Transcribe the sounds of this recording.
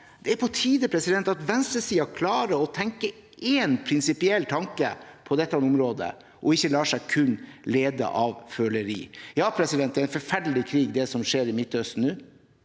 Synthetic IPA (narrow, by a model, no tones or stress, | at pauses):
d̪̥ɛæɾpʰɔt̪ʰiːd̪əpʰɾɛsɪd̪ɛnt̪ɑt̪ʋɛnst̪ɾəsiːɑkʰlɑːɾəɔt̪ʰɛŋkə | ʔeːnpʰɾɪnsɪpɪɛlːt̪ʰɑŋkəpʰɔd̪ɛt̪ːnʊmɾoːd̪ə̰ | ʔɔɪçːəlɑːʂæɪkʰʉnleːd̪ə̰ʔɑʋføːləɾḭːjɑːpʰɾɛsɪd̪ɛnt̪̚d̪ɛɾæɪnfɔɾfæɖəlɪkʰɾiːɡd̪ɛsɔmʂeːɾɪmɪt̪ːœst̪n̩ʉː